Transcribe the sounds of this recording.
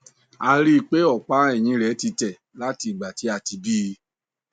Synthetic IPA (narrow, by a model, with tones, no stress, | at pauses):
a˧ɾi˦˧˨k͡pe˦ɔ˦˨k͡pa˨˦ɛ˦˨j̃ĩ˧˦ɾɛ˨˦ti˧tɛ˨ | la˦ti˧˦i˨ɡ͡ba˨ti˨˦a˧˨ti˧bi˦˧